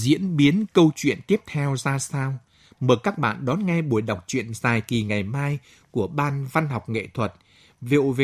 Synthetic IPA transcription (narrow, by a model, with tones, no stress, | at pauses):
zḭ˧˥ənɓi˨˦ənkə˧wt͡ɕwḭ˧˨ənt̪i˦˥əp̚t̪ʰɛ˧wzaː˧saː˧w | məː˨˩kaː˦˥k̚ɓa̰ː˧˨nɗɔ˨˦nŋa˧jɓu˧˩əjɗa˨˩wk͡p̚t͡ɕwḭ˧˨ənzaː˨˩jki˨˩ŋa˨˩jmaː˧j | ku˧˩əɓaː˧nva˧nɦa˨˩wk͡p̚ŋḛ˧˨t̪ʰwə˨˩t̚ | vḭ˧˨ve˨